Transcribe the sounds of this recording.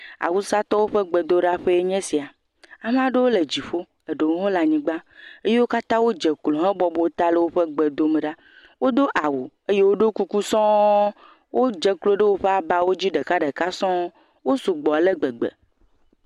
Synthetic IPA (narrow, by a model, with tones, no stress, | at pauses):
a̰˨wu˦sa˦t̪ɔ˦wo˦ɸe˦ɡ͡be˨d̪o˦ɖa˦ɸe˦e˦ɲɛ̃˦si˨a˨ | a˨m˦ã˦ɖe˦wo˦le˨d͡ʑi˨ɸo˦ | e˨ɖe˨wo˦ɦõ˦la˨ɲĩ˨ɡ͡ba˦e˦je˦wo˦ka˦t̪ã˦wo˦d͡ʒe˨klo˨ɦɛ̃˦bɔ˦bo˦t̪a˦le˦wo˦ɸe˦ɡ͡be˨d̪o˦me˨ɖa˦ | wo˦d̪o˦ʔa˨wu˨ | e˦je˦wo˦ɖo˦ku˦ku˦sɔ̃˦ | wʔo˦d͡ʒe˦klo˦ɖe˦wo˦ɸe˦a˨ba˨wo˦d͡ʑi˦ɖe˨ka˦ɖe˨ka˦sɔ̃˦ | wo˦su˨ɡ͡bɔ˨le˦ɡ͡be˨ɡ͡bḛ˨